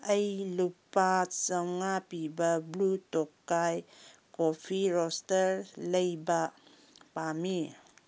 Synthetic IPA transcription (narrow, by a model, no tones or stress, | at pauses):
əjlupatsaŋapibablutɔkːajkopʰiɾɔstəɾləjba | pami